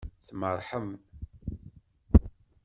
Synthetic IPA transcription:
θmərˤħəmn

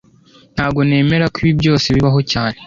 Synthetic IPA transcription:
n̥haːbɡo̞ne̞ːme̞ɾakuβibjo̞ːseβiβaɦo̞caːne

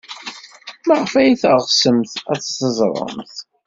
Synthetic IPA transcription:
maʁfæjiθʁsəmθæt͡sːsəzˤɾˤə̰mθ

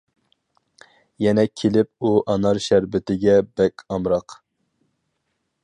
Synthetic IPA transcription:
jɛnɛkʲʰːelɪp̚uʔɑnɑɾʃæɾbɪt̪ɪɡʲɛbɛkʲɑmɾɑq

